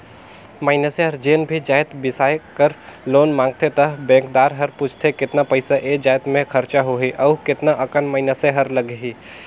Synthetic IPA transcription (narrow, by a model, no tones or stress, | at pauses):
maːɪnəseɦɐɾd͡ʒeːnbʱid͡ʒaːɪt̪bɪsaːjkəɾloːnmãːŋɡ̚t̪et̪ɐɦbɛ̃ːŋkd̪aːɾɦɐɾpʊt͡ʃʰt̪ʰekɪt̪napəɪsaʔeːd͡ʒaːjt̪mẽkʰɐɾt͡ʃaɦoɦiʔɐːkɪt̪naʔɐkənmaːɪnəseɦɐɾləɡɦiː